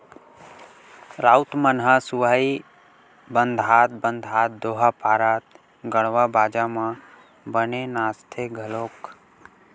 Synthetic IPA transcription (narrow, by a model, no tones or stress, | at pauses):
ɾaːut̪mənɦasuʋaːi | bə̃nd̪ʱaːt̪̚bənd̪ʱaːt̪̚d̪oːɦapaːɾaːt̪̚ | ɡəɽ̃ʋabaːd͡ʒamã | bənenaːst̪ʰeɡʱəloːk